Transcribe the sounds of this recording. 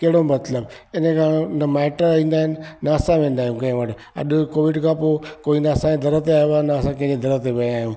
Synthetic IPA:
kɐɦɪɽomɐt̪ləb | ɪnə̃kʰãːnɐmɛːʈəĩːnd̪aːɦɪnɪ̆naɐsãʋẽːn̆d̪aːɦjũkɐ̃ɦɪ̃ʋɐʈ | ɐ̰ɗkoːʋɪɖkʰãpoːkoːinaːsãẽd̪ɐɾət̪eaːeʋaːnaɐsãkɐ̃ɦd͡ʑed̪ɐɾət̪eʋɐ̃aːɦjũ

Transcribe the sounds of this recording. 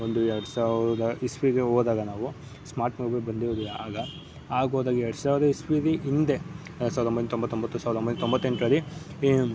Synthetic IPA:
ond̪uɛɾɐɽsaːʋɾd̪ɐispiɡeɦoːd̪aːɡɐnaːʋu | smaːɾʈmubebɐnd̪iɾod̪ilːɐaːɡɐ | aːɡoːd̪aːɡɐɛɾɽsaːʋɾd̪ɐispiɐɾiʔind̪e | saːʋɾombɐd̪nt̪ombɐt̪ːombɐt̪ːusaːʋd̪ombɐnt̪ombɐt̪ːe̞ɳʈɾɐɾi

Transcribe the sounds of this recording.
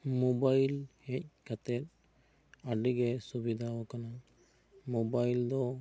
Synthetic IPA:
mobajlhɛc̚ˀkat̪ɛt̪̚ | aɖiɡɛsubid̪ʱaɔkana | mobajld̪ɔ

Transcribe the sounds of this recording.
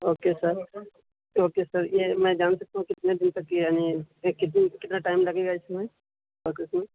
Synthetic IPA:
oːkesɐɾ | oːkesɐɾjemɛ̃ːd͡ʒaːnsɐk̚t̪aɦũkɪt̪ned̪ɪnt̪ɐkːijaːnikɪt̪kɪt̪naʈaːɪmlɐɡeɡaɪsɐme | boːkɪsmẽ

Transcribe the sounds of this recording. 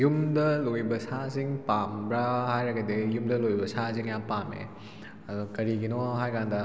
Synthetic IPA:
jumdɐlojbɐsaziŋpambɾahajɾɐɡɐdejumdɐlojbɐsaziŋjapamḛ | ɐdɔkɐɾiɡinɔɦajkandɐ

